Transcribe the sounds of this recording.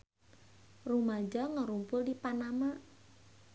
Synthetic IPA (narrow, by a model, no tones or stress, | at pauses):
rumad͡ʒɔŋəɾumpʊldipanama